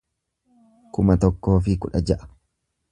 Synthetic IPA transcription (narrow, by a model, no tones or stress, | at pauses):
kʊmɐt̪ɔkːo̞ːf̬ɪkʊᶑɐd͡ʒɐʔɐ̥